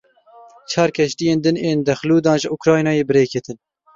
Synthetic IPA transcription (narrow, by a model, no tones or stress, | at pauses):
t͡ʃʰɑːɾkʰɛʃt̪ijeːnd̪ɨneːnd̪ɛxluːd̪ɑːnʒɪukɾɑːjnɑːjeːbɨɾeːkʰɛt̪ʰɨn